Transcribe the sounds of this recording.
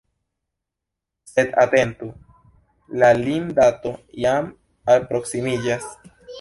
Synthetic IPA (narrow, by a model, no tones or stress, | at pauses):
se̞d̪a̰t̪e̞nt̪u | lalind̪at̪ojam | alpɾo̞ksimid͡ʒas